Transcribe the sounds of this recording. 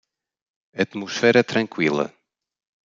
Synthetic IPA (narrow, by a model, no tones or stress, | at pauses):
ɐt̪musfɛɾɛt̪ɾɐ̃ŋkwilˠɐ̰